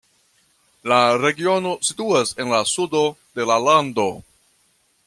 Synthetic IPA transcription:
laɾe̞ɡio̞no̞situase̞nlasudo̞de̞lalando̞

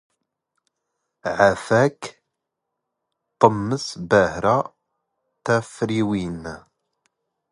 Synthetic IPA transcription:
ʕafæk | t̪ˤːəmːəsbæhɾa | t̪æfɾiwin

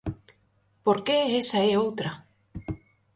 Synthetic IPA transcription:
poɾkeesaeowt̪ɾa

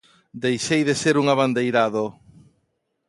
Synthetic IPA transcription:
d̪ejʃejðeseɾuŋaβand̪ejɾaðo

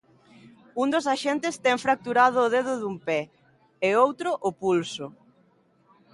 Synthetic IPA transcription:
und̪osaʃent̪ɪst̪ɛŋfɾak̚t̪uɾað̞ʊːðeðʊðumpɛ | eowt̪ɾʊʔʊpulsʊ

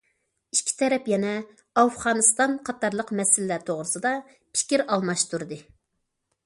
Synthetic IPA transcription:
ikʲʰi̥t̪ʰɛɾɛpjɛnɛ | ɑfʁɑːnɨst̪ɑnqʰɑt̪ɑɾlˠəqmɛsɪlɪlæɾt̪ʰoʁɾɨsɨd̪ɑ | pʰi̥kʲiɾɑlˠmɑʃt̪uɾɨd̪ɨ

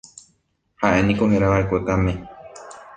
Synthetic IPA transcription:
haʔe̞nĩko̞ɦeɾaβaekʷek̪amẽ

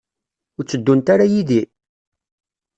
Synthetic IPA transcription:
ʊɾt͡sːəd̪ːunt̪aɾajiði

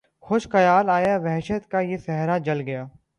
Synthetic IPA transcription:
xʊʃxɐjaːlaːjaʋɛɦʃət̪kajesɛɦɾad͡ʒɐlɡɐjaː

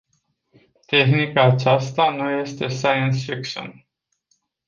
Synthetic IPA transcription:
t̪e̞xnikaːt͡ʃast̪anuje̞st̪e̞sajənsfikʃo̰n

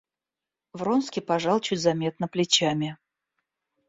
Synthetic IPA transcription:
vronskʲɪpɐʐɑlˠt͡ɕʊtʲzɐmʲe̞t̪̚nəplʲɪt͡ɕamʲɪ

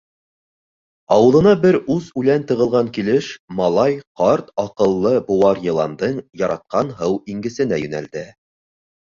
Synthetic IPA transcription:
ɑwɤ̆ðˠɤ̆nɑbɘɾʉzʉlænt̪ɤ̆ʁɤ̆lˠʁɑŋkilɘʃmɑlˠɑjqɑɾt̪ɑqɤ̆lˠːɤbŭwɑɾjɤ̆lˠɑ̰nd̪ɤɴjɑɾɑt̪̚qɑnɦɤwiŋɡɘ̆sɘ̆næjʉ̆næ̰ld̪ɘ

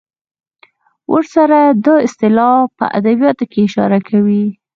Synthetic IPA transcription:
wʔəɾsaɾad̪ɑɪst̪ɪlɑpə̰ʔa̰d̪abjɑt̪okeɪʃɑ̰ɾakʰawi

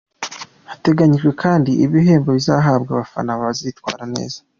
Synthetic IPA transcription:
hate̞ɡaɲiʒɡwe̞kʰaːndiʔiβiɦe̞ːmboβizaːɦaːbɡaβafa̰naβaβaziitwaːɾane̞̰ːzḁ

